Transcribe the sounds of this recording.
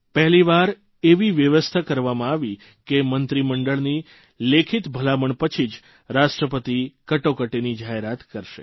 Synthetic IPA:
pɛɦliʋaɾ | eʋiʋjəʋəst̪ʰakəɾʋamãaʋi | kemənt̪ɾiməɳɖəɭni | lekʰit̪bʱəlaməɳpət͡ʃʰid͡ʒ | ɾaʃʈɾəpət̪ikəʈokəʈenid͡ʒaɦeɾat̪kəɾʃḛ

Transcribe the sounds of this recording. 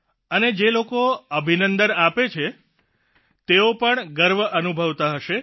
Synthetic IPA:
əned͡ʒelokoəbʱinənd̪ənapet͡ʃʰe | t̪eopəɳɡəɾʋəʔənubʱəʋt̪aɦəʃe

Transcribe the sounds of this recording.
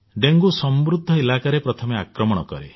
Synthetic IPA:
ɖeŋɡusɔmbɾud̪ʱːɔelakaɾepɾɔt̪ʰɔmeakɾɔmɔɽ̃ɔkɔ̰ɾḛ

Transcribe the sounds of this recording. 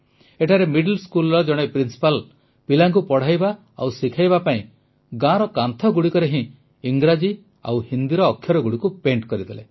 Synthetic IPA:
eʈʰaɾemiɖlskulɔd͡ʒɔɽ̃epɾinsi̥pal | pilaŋkupɔɽ̤ajba | a̰wsikʰajbapaĩ | ɡãɾɔkant̪ʰɔɡuɽikɔɾeɦĩ | iŋɡɾad͡ʒi | a̰whind̪iɾɔːkʰːjɔɾɔɡuɽikupeɳʈkɔɾid̪ele

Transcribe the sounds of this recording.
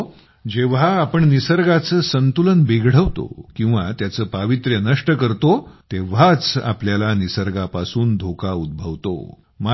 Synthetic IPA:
d͡ʑeʋ̤aːpəɳnisəɾɡat͡səːsənt̪ulənbeɡʱɽ̤əʋt̪o̰kĩw̃ʋa̰t̪jat͡səːpaʋit̪ɾjənəʂʈəkəɾt̪ot̪eʋat͡sa̰pljalanisəɾɡapasuːnd̪ʱokaud̪̚bʱəʋt̪o̰ | ma

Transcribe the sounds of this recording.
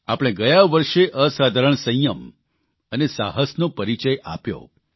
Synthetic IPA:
a̰pɽ̃ẽɡəjaʋəɾʃeʔəsad̪ʱaɾəɳsə̃jəm | ənesa̰ɦəsnopəɾit͡ʃəja̰pjo̰

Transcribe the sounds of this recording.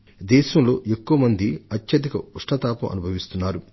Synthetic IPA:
d̪ɛːʃɐmlo̞ːʔekːuʋɐmɐnd̪iɐt̪jɐd̪ikɐuʂʈɐt̪aːpɐmʔɐ̰nubʱɐʋist̪unːaːɾu

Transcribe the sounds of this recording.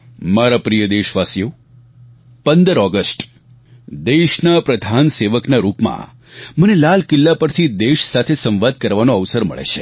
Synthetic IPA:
maɾapɾijəd̪eʃʋasijo | pənd̪əɾɔɡəsʈ | d̪eʃnapɾəd̪ʱanseʋəknaɾupmã̰ | mənelalkɪlːapəɾt̪ʰid̪eʃsat̪ʰesə̃mʋad̪̚kəɾʋanoəʋsəɾmə̰ɭḛt͡ʃʰe

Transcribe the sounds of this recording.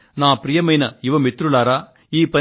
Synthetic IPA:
nãːpɾɪjɐmɐjnɐɪʋɐmɪt̪ːɾɯlaːɾaː | iːpɐ

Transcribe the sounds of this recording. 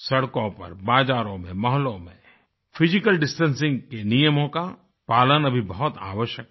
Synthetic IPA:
sɐɽkõpɐ̰ɾbaːd͡ʒaːɾõmẽmɔɦlõmḛ̃ | fʰɪzɪkəlɖɪsʈənsɪ̃ŋɡkenijəmõka | paːlənɐbʱibɐɦʊt̪a̰ːwəʃjək̚

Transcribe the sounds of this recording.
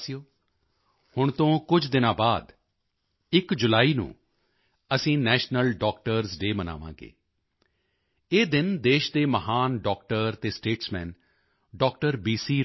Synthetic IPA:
sijoː | hʊɳt̪õːkʊd͡ʒd̪ɪnãːbaːd̪ | ɪkd͡ʒʊlaːiːnṵ̃ː | əsĩːnɛːʃnəlɖɔːk̚ʈəɾzɖeːməna̰ːʋã̰ːɡḛː | eːd̪ɪnd̪eːʃd̪eːməɦaːnɖɔːkʈəɾt̪eːsʈeːʈsmɛ̃ːn | ɖɔːkʈəɾbiːsiː

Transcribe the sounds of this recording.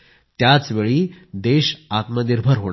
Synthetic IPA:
t̪jat͡sʋeɭiːd̪eɕat̪məniɾbʱəɾɦoɽ

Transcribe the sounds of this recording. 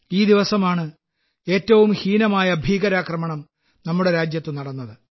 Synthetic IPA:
iːd̪iʋɐsɐmaːɳɨ | e̞ːtːɐʋumhiːnɐmaːjɐbʱiːɡɐɾaːkrɐmɐɳɐm | nɐmːuɽe̞ɾaːd͡ʑjɐt̪ːɨnɐɽɐnːɐðɨ

